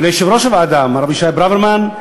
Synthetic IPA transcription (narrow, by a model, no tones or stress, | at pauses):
lejʃevɾoʃevaːd̪amaɾabiʃajbɾaveɾman